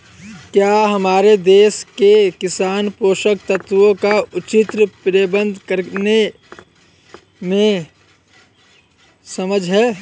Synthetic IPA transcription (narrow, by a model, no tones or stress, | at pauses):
kjaːɦɐmaːɾed̪eːskekɪsaːnpoːʃək̚t̪ət̪ʋõkaʊt͡ʃɪt̪ɾəpɾeːbə̃nd̪ʱkəɾne | mẽ | sɐməd͡ʒʱɦɛː